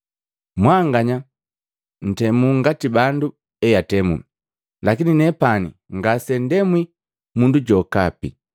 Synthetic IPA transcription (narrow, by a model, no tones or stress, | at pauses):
mwaŋɡaɲa | n̩tɛmuŋɡatibandu | ɛjatɛmṵ | lakininɛpanḭŋɡasɛndɛmwi | munduɟɔkapḭ